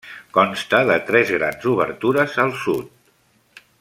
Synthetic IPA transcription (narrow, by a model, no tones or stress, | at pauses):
kɔnst̪əðət̪ɾɛzɣɾa̰nzuβ̞ə̰rt̪uɾəzəlˠsut̪̚